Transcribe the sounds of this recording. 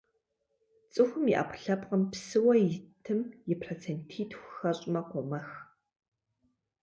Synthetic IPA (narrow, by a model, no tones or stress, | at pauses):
t͡sʼɨxʷʊmiʔa̰ːpʰʷʊ̥ɬɐpqəmpsɨwɐjɪtʰɨmjɪpʰrot͡sʰentʰiːtʰxʷxɐɕʼɪmɐqʷɔmɐx